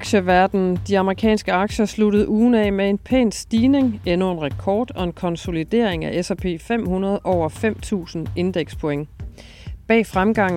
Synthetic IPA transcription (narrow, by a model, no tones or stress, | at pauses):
ɑɡ̥ɕəʋæɐd̥n̩d̥iɑ̈məʁikʰɛ̰ːnsɡ̥əɑ̈ɡ̥ɕɐsluɾð̞̩ˠuːn̩ɛmee̝npʰḛːnsd̥iːne̝ŋenoe̝nʁɛkʰɒːd̥ɒ̽e̝nkʰɒ̽nso̝lid̥e̝̰ɐ̰eŋæʔesæpʰe̝̰ːfem̰hunɐð̞̩ˠʔɒʊ̰ɐfem̰t͡sʰṵːsn̩e̝nd̥eɡ̥spʰoeŋ | b̥ɛ̰ːfʁamɡ̥ɑ̈ŋ̰